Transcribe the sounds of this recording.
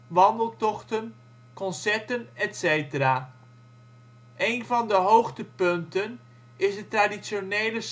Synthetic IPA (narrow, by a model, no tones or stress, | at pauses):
ʋɑndəlˠtɔχtən | kɔnsɛɹtənɛtsejtəɾaː | ʔejnvɑndəɦowχtəpɵntən | ɪsdətraːdisonejləs